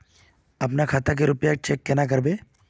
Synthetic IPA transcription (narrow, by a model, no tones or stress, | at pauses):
ɐpnakʰaːt̪ak̬eɾʊpjak̚t͡ʃeːkːenak̬əɾbeː